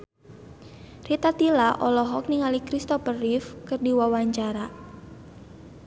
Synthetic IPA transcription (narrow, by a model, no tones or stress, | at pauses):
rit̪at̪ilaʔɔlɔɦɔk̚niŋalikɾist̪ɔfərifkɨrdiwawaɲt͡ʃaɾa